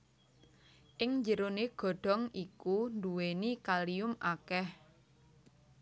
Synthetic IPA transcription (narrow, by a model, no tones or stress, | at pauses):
ʔɪŋɲd͡ʒəɾoneɡ̥ɔ̤ɖ̥ɔ̤ŋikunduwenikaliʊmʔakɛh